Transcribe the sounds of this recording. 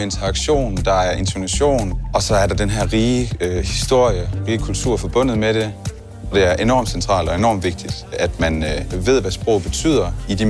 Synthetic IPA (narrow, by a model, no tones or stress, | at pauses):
e̝nt͡sʰɐɑ̈ɡ̥ɕo̝̰ːnd̥ɑ̈æɐe̝nt͡sʰonæɕo̝̰ːnʔɒ̽sɒ̽æɐɾ̥ɑ̈d̥enɦæɐ̰ʁiːhisd̥o̝ɐ̰jəʁiːəkʰult͡sʰuɐ̰fɒ̽b̥ɔ̽n̰ð̞̩ˠmeɾ̥e̝ | ɒd̥e̝æɐʔe̝nɒ̰ːmsent͡sʰʁɑ̰̈ːld̥ɒ̽e̝nɒ̰ːmʋe̝ɡ̥̚d̥id̥æd̥mænʋe̝ð̞̰ˠʋæsb̥ʁɔ̰ʊ̰b̥e̝t͡sʰy̰ð̞̰ˠɐid̥i